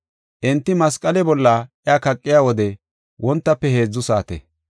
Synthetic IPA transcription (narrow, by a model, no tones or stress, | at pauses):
ʔɛnt̪ːɪmɐskʼːɐlɛbɔlːɐʔjaːkɐkʼːɪjaːwɔd̪ɛ | wʔɔnt̪ːɐpːɛhe̞ːd͡zːʊsaːt̪ḛ